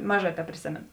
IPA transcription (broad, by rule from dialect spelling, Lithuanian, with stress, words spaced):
ˈmɑːˌʒɑː tʲɛpʲrʲeːˈsʲeːmʲeːnʊ